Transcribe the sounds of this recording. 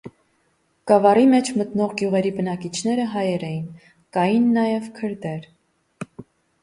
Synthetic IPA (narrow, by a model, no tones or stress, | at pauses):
kɑvɑrimɛt͡ʃʰmət̪nɔʁɡjuʁɛɾibənɑkit͡ʃʰn̪ɛɾəɦɑjɛɾɛjin | kɑjinːɑjɛvkʰəɾd̪ɛɾ